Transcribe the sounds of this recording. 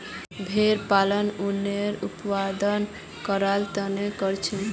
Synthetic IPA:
bʱeɾpalənuneɾupwad̪ən | kɔɾalt̪ɔnekɔɾt͡ʃʰin

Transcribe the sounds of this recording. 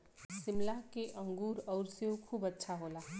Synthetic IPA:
sɪmlakeʔə̃ŋɡuːɾɔːɾsiokʰuːbətːʃʰaɦoːlaː

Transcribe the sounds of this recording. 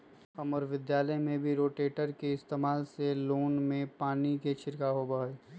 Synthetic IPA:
ɐməɾʋɪd̪jaːləmẽbʱiɾoːʈeːʈəɾkeɪst̪eːmaːlseloːnmẽpaːniket͡ʃʰɪɾkaɦobaːeː

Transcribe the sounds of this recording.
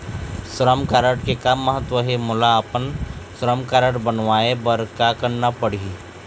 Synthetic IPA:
sɾəmkaːɾəɽkekamːəɦət̪ːwəɦɛmʊlaːpənsɾəmkaːɾəɽbənʋaːebəɾkakəɾnapəɽ̤i

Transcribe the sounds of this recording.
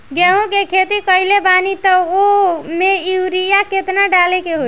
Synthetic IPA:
ɡɛɦõkekʰet̪ikəɦilebanit̪əomeiwɾijaket̪naɖalekeɦo

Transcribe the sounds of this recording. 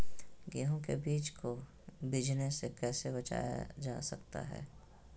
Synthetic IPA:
ɡeɦõkebiːt͡ʃko | bɪd͡ʒnesekɛːsebɐt͡ʃa̰ːja̰d͡ʒa̰ːsɐkt̪a̰ɦɛ̰ː

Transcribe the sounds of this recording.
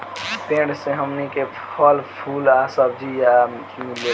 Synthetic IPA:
p̪ẽɽsẽɦəmnike | əlpʰulasəb̚d͡ʒija | milːe

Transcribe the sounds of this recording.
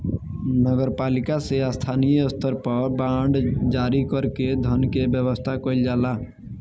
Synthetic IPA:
nəɡəɾpaːlikaseast̪ʰaːnijəst̪ʰəɾpəɾbãːɳɖd͡ʒaːɾikəɾked̪ʱənkebjəwəst̪ʰakəɪld͡ʒaːla

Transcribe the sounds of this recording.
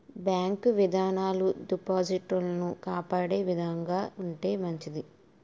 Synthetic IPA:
bjaːŋkʋid̪ʱaːnaːluɖipaːd͡ʒiʈɐlɐnukaːpaːɽe̞ːʋid̪ʱɐŋɡaːuɳʈe̞ːmɐɲt͡ʃid̪i

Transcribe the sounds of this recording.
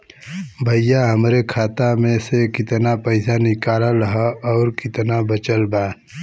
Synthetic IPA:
bʱəjaɦɐmɾekʰaːt̪amẽsekɪt̪napəɪsanɪkaːlaɾəɦaɔːɾkɪt̪nabɐt͡ʃəlbaː

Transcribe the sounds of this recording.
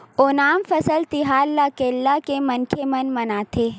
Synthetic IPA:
onaːmfɐsəlt̪ɪɦaːlːakeːlːakemɐnkʰemɐnmɐnaːt̪ʰeː

